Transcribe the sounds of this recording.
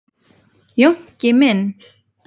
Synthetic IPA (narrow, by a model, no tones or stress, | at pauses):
jɔŋcemɛn